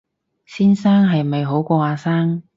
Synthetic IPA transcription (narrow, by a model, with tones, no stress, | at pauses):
siː˥nsaː˥ŋɦɐ˨jme˨jɦo˨˥wkʷɔː˧aː˧saː˥ŋ